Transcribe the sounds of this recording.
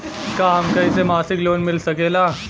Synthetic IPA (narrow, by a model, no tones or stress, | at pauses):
kaːmkɐisemaːsɪkloːnmɪlsɐkeːlaː